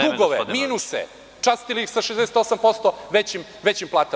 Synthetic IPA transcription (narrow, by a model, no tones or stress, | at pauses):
d̪uɡoʋemiːnusḛ | t͡ʃast̪iliixsaʃezd̪ɛset̪o̞sampo̞st̪oʋet͡ɕim | ʋet͡ɕimplˠaːt̪a